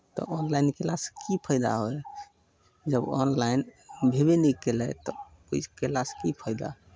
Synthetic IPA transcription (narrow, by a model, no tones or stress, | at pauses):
t̪ɔ̰ʔɔnlajnkelaskipʰəjd̪a̰ɦoe | d͡ʒəbɔnlainbʱebenɛkelɛt̪ɔ | oikelaskipʰəɪd̪a̰ɦ